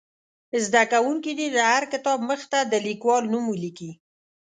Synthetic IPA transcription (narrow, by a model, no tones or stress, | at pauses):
zd̪akawuŋkid̪id̪əhaɾkɪt̪ɑbməxt̪ad̪əlikwɑlnumuliki